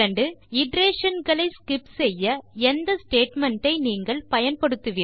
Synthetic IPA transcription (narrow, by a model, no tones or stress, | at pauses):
ɐɳɖɯɪɖɾeːʂɐnɡɐɭɐɪskɪpsɛjːɐɛnd̪ɐsʈeːʈmɐɳʈɐɪniːŋɡɐɭpɐjɐnpɐɽɯt̪ːɯʋiː